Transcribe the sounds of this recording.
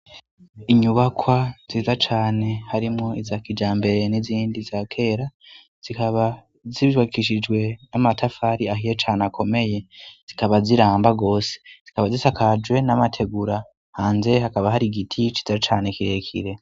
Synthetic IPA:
iɲuβakʰwaz̥izat͡ʃaːne̞haɾimŋoizakid͡ʒaːmbe̞ɾe̞niziːndizaːkʰe̞ːɾa | z̥ikaβa | ziwakiʃid͡ʒwe̞namatʰafaɾiaɦijet͡ʃaːnakʰo̞me̞je̞z̥ikaβaziɾaːmbaɡo̞ːse̥z̥ikaβazisakad͡ʒwe̞namatʰe̞ɡuɾa | haːnze̞hakaβahaɾiɡitʰit͡ʃizat͡ʃaːne̞kiɾe̞kʰḭɾe̞

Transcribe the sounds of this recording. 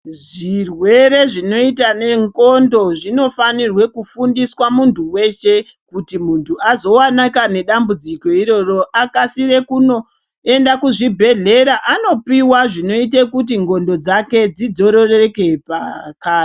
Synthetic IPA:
ʐirwe̞ɾe̞ʐino̞itane̞ŋko̞ndo̞ʐino̞fanirwe̞kufundiswamuntʰuwe̞ʃe̞ | kutimuntʰuʔazo̞wanakane̞ɗambud͡ziko̞iɾo̞ro̞ʔakasiɾe̞kuno | endakuʐibʱe̞ɮe̞ɾaʔano̞piwaʐino̞itekut̬iŋɡo̞ndo̞d͡zake̞d͡zid͡zo̞ɾo̞reeke̞pakaːi

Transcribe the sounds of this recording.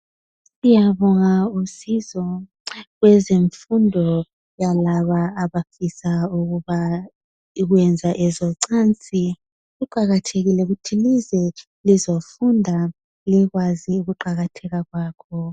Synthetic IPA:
ijaβɔŋausizɔ | ɣwɛzeɱfundʱɔ | jalaβaːβafisauɣuβa | iɣwɛnd͡zʱaʔɛzɔǀant͡sʼi | ɣuǃaɣatʰeɣilɛuɣutʰilizɛ | lizofundʱa | liɣwaziuɣuǃaɣatʰɛɣaɣwaːkʰɔ

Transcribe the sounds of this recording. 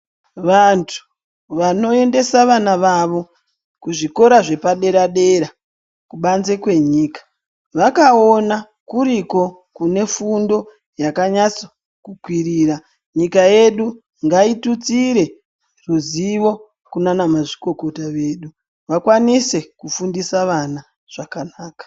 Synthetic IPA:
ʋantʰu̥ | ʋano̞e̞nde̞saʋanaʋaʋo̞ | kuʐiko̞ɾaʐe̞paɗe̞ɾaɗe̞ɾa | kuɓanze̞kwe̞ɲiːkḁ | ʋakaona | kuɾiko̞ | kune̞fundo̞ | jakaɲat͡so̥ | kukwiriːra | ɲikaje̞ɗu | ŋɡaitut͡siɾe̞ | ruziʋo̞ | kunanamaʐiko̞ko̞taʋe̞ːɗu | ʋakwanise̞kufundisaʋana | ʐ̥akanaːkḁ

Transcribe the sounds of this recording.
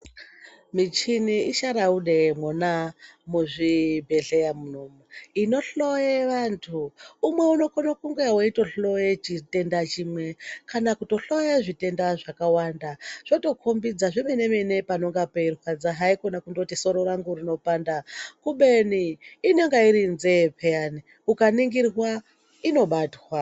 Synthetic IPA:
mit͡ʃiniiʃaɾauɗemwonamuʐibʱeɮejamunomuino̞ɬojeʋantʰuːmwe̞uno̞konokuŋɡeawaito̞ɬo̞jet͡ʃite̞ndat͡ʃimwe̞kanakuto̞ɬojeʐite̞ndaʐakawandaʐ̥oto̞kʰombid͡zaʐimenemene̞pano̞ŋɡapeirwad͡zaɦaikonakundotiso̞ɾoɾaŋɡurino̞pandakuɓeniːne̞ŋɡaiɾinzepʰejani | ukaniŋɡirwa | ino̞ɓatwa

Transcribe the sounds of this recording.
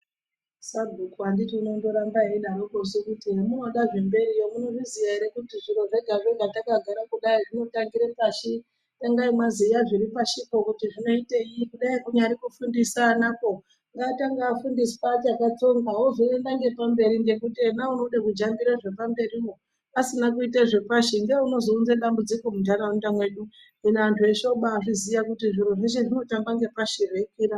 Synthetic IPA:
saɡʱukuanditiːno̞ndo̞ɾambaeɗaɾokosekutiɦemunoɗaʐe̞mbe̞ɾijomunoʐizijaiɾekutiʐiɾo̞ʐe̞ɡʱaʐeɡʱatakaɡʱaɾakuɗaiʐino̞taŋɡiɾepaʃi | taŋɡaimwazijaʐiripaʃiko̞kutiʐino̞iteikuɗaikuɲaɾikufundisanako | ŋɡataŋɡaːfundispat͡ʃakat͡so̞ŋɡaɦoʐiendaŋɡe̞pambe̞ɾinde̞kutinaunoɗakud͡ʒamɡiɾaʐe̞pambe̞rio | asinakuiteʐe̞paʃiŋɡeuno̞zounzeɗambud͡ziko̞mundaɾaundamwe̞ɗu | ɦinaantʰueʃo̞ɓaːʐizijakutiʐiɾuʐiʃeʐino̞taŋɡaŋɡe̞paʃirekiːɾa

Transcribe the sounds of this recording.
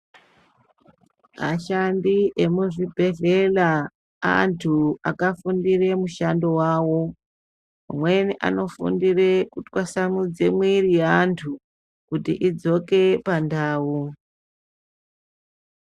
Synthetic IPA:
ma̰ʃandiʔemuʐibʱe̞ɮe̞la | a̰ntʰua̰kafundire̞muʃando̞waːwo̞ | ma̰mwe̞niʔa̰no̞fṵndire̞kutwasamud͡zemwirijantʰu | kutḭʔid͡zo̞ke̞pandaːwu

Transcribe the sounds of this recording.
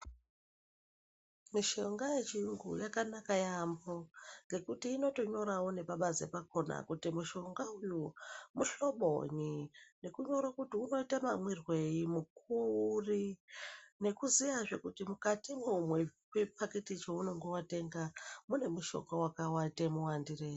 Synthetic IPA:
miʃo̞ŋɡaje̞t͡ʃiŋɡṵjakanakajamboŋɡe̞kutiːno̞to̞ɲo̞ɾawo̞ne̞paɓazḛpako̞na̰kutimuʃo̞ŋɡaujumuɬo̞ɓo̞̰ɲine̞kuɲo̞ɾakutiuno̞itamamwirwe̞imukuri | ne̞kuzijaʐe̞kutimukatimumwe̞ | wepake̞tit͡ʃouno̞ŋɡowate̞ŋɡamune̞muʃo̞̰ŋɡawakawatemuwandireːi

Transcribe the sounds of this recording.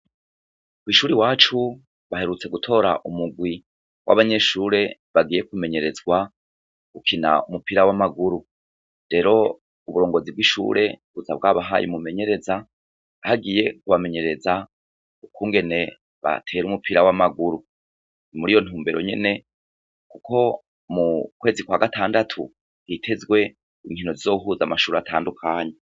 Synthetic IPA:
kwiːʃuːɾiwaːt͡ʃu | βaɦe̞ɾut͡se̞ɡutʰo̞ːɾaʔumuɡwi | wʔa̰βaɲe̞ʃuːɾe̞βaɡiːje̞kume̞ɲe̞ɾe̞zɡwa | ɡ̥ukʰina̰umupiɾawamaɡuɾu | ɾe̞ɾo̞ | uβuɾo̞ːŋɡo̞zibɡiʃṵːɾe̞βuzab̚ɡaβaɦa̰jumume̞ɲe̞ɾe̞za | haɡije̞kuβame̞ɲe̞ɾe̞za | ukuːŋɡe̞ne̞ | βa̰tʰe̞ːɾumupiɾawamaɡuɾu | nimuɾijo̞n̥huːmbe̞ɾo̞̰ɲe̞̰ne̞ | kuko̞ | mukwe̞ːzikwaːɡataːndatʰṵ | hitʰe̞zɡwe̞ | iŋhino̞zizo̞ɦuzamaʃuːɾatʰaːndukʰaːɲe

